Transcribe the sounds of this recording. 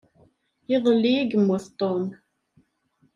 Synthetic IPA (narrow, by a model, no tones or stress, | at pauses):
ɪðˤlːiiɡəmwʊθt̪ˤːom